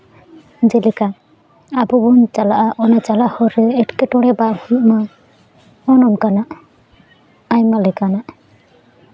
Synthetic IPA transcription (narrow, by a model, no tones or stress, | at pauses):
d͡ʒɛlɛka | abɔbɔnt͡ʃalaʔaʔɔnat͡ʃalahɔɾɛɛʈkɛʈɔɽ̃ɛbahuma | ɔnɔnkanaʔ | jmalɛkanaʔ